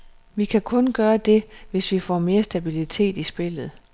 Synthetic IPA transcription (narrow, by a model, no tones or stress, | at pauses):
ʋikʰækʰɔ̽nɡ̥ɶːɐd̥e̝ʋe̝sʋifɒ̰me̝ːɐsd̥æb̥ilit͡sʰe̝̰ːd̥isb̥e̝lð̞̩ˠ